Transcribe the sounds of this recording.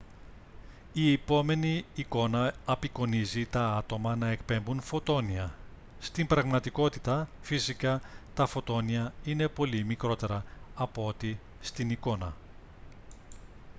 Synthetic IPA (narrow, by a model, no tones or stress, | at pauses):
iepo̞me̞niːko̞nɐɐpiko̞nizit̪ɐɐt̪o̞mɐnɐe̞kpe̞mbunfo̞t̪o̞niɐ | st̪imbɾɐɣmɐt̪iko̞t̪it̪ɐfisikɐt̪ɐfo̞t̪o̞niɐine̞po̞limikɾo̞t̪e̞ɾɐɐpoo̞t̪i | st̪iniko̞nɐ